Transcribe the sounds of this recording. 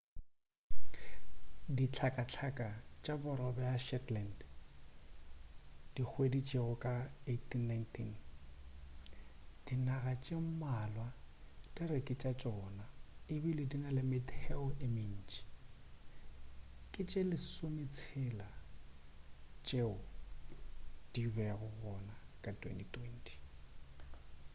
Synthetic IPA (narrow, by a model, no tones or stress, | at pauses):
dit͡ɬʰakʼat͡ɬʰakʼat͡ʃʼabʊɾɔbɛaʃɛtlɛnd | d̥ik͡xʰwedit͡ʃʼeʊkʼaetʰinːajntʰin | d̥inaɣat͡ʃʼem̩malwad̥ɪɾɪkʼɪt͡ʃʼat͡ʃʼɔnaɪbilɪdinalɪmɪdhɛʊɪmin̩ːt͡ʃʼi̥ | kʼɪt͡ʃʼelɪsomɪt͡sʰɛla | t͡ʃʼeʊ | d̥ibɛɣʊɣɔnakʼatʼwḛntʼitʼwɛntʰʼi̥